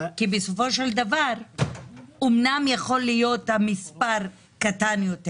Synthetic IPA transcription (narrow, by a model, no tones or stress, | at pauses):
kibeso̞fo̞ʃeld̪avaʁ | omnamjaχo̞lːijo̞t̪hamispaʁ | katanjote